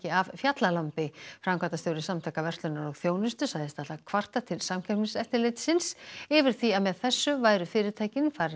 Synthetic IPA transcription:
cɪavfjat̪lalampɪfɾamkʰat̪ast̪jowɾɪsamt̪ʰajkavɛr̥t̪lʏnaɾɔɣθjoːwnɪst̪ʏsaɣðɪst̪aht̪akʰvar̥t̪at̪ʰɪlsamcʰœ̥pnsɛht̪ɪɾlejt̪sɪnsɪvɪɾ̥θiaðmɛðθɛsːʏvaːjɾʏfɪːɾɪɾt̪ʰaːjcɪnfaɾ

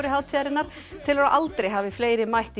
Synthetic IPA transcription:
ɾɪɦaːwt̪ʰaɾɪnːaɾ̥ | t̪ʰɪlaɾaʔalt̪ɾejɦaːvɪfleːjɾɪmajht̪i

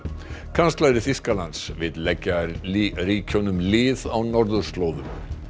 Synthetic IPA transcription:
kʰanst̪lajɾɪθiskalant̪svɪðlɛcːariːcʰownʏmlɪːðawnɔɾðʏɾ̥st̪loːwðʏm

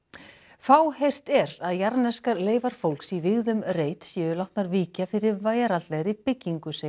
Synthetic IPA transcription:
faːwhejr̥t̪ɛɾaðjaɾnɛskaɾleːjvaɾ̥fowlksivɪɣðʏmreːjt̪sjɛːʏlawht̪naɾviːcafɪɾɪɾvaːjaɾat̪lɛɣaɾipɪcːiŋkʏse

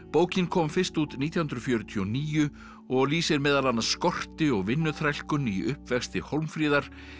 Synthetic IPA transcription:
poːwcɪnkʰɔmfɪr̥st̪uːt̪niːt̪jahʏnd̪ɾʏfjœːɾʏt̪ʰiɔniːjʏ | ɔɣliːsɪɾmɛːðalanːaskɔr̥t̪ɪɔɣvɪnːʏθɾajl̥kʏniʔʏhpvɛxst̪ɪhowlmfɾiːðaɾ̥

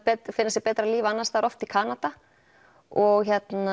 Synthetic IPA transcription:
pɛt̪fɪnːas̬ɪɣpɛːt̪ɾaliːvɪanːaɾst̪aːɾɔft̪ikʰaːnat̪a | ɔɣçɛt̪na

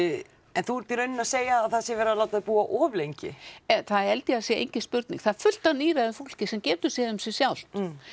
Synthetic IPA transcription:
ɛnθuɛɾt̪iɾœɥnːɪnaseːjaːðθaðsjɛvɛːɾalaːwt̪aðpuːaʔɔːvlejɲcɪ̰ɛθaðɛɾɛlt̪jɪasjɛḛjɲcɪspʏɾt̪nḭŋkθaðfʏl̥t̪anːiːɾɛðʏfowl̥cɪsɛmcɛːt̪ʏ̥sjɛðʏmsjɛ̥sjawl̥t̪

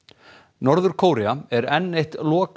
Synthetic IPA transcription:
nɔɾðʏɾ̥kʰoːwɾiaɛɾɛnːejht̪lɔːk

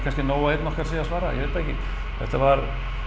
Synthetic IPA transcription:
kʰanscɪnoːwaeːt̪nɔkaɾsiːasvaːɾajɛ̰veːt̪aɛhcɪ̰ | θɛ̰ht̪avaɾ

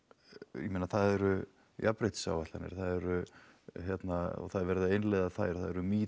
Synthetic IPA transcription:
jɛmeːnaθaðɛɾʏ | japɾejt̪sa̰wvat̪lanɪ̰ɾ̥θaðɛɾʏçjɛt̪naɔ̰ɣθaðɾvɛɾɪðaejnleɣðaθaːjɾ̥θaðɛɾʏmiː

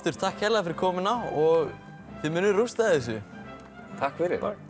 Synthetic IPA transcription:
t̪ʏɾ̥t̪ʰahkhɛlafɪɾɪɾkʰɔːmɪnaɔɣ | θɪmʏnːʏɾrust̪aðɛs̬ʏ | t̪ʰahkfɪɾɪ̰ɾ

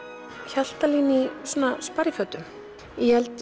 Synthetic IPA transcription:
çal̥t̪aliːnɪsɔːnaspaɾjɪfœːt̪ʏm | ijɛlt̪

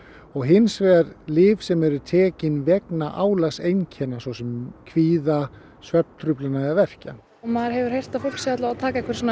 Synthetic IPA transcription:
ɔɣɦɪnsvɛɾlɪːvsɛmɛɾʏt̪ʰɛːcɪnvɛknaʔaːwlasejncʰɛnasvɔwsɛmkʰviːða | svɛp̪̚t̪ʰɾʏplanaavɛr̥can | maðɾ̥ɦɛvʏɾ̥hejr̥t̪afowl̥ksjaat̪laat̪ʰaːkaɛkvɛɾ̥sɔn

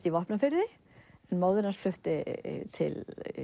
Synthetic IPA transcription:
t̪ivahpnafɪɾɪ | ɛnmaːwðɪɾansflʏht̪ɪt̪ʰɪ̰l

